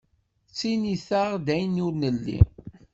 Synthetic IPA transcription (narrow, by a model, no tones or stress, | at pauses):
t͡sːiniθaʁd̪æjənʊɾnəlːḭ